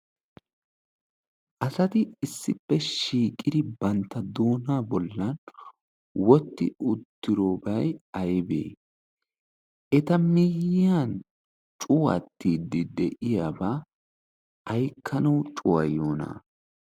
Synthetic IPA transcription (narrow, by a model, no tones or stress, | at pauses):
ʔɐsɐt̪ɪɪsːɪpːɛʃiːkʼɪd̪ɪbɐnt̪ːɐd̪o̞ːnaːbɔlːɐn | wɔt̪ːɪ̰ʊt̪ːɪɾoːbɐjɐjbḛː | ʔɛt̪ɐmɪjan | t͡ʃʼʊwɐ̰t̪ːiːd̪ɪd̪ɛʔɪjaːbaː | ɐjkʰːɐnɐwt͡ʃʼʊwɐ̰jːo̞ːna̰